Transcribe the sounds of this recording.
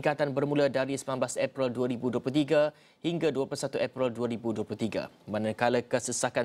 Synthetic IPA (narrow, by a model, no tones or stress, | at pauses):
kat̪anbərmũladaɾisəmlanblasɛpɾilduaɾibuduaplut̪iɡa | hiŋɡaduapulusat̪uʔɛpɾilduaɾibuduəplut̪iɡa̰ | mãnãkalakəsəsaka